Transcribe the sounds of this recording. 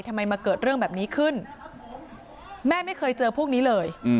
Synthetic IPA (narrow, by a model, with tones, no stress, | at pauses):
jt̪ʰmːa˧jmaː˧kɤː˨˩t̪̚ɾɯ˥˩əŋbɛː˨˩p̚niː˦˥kʰɯ˥˩n | mɛː˥˩ma˥˩jkʰɤː˧jt͡ɕɤː˧pʰu˥˩k̚niː˦˥lɤː˧j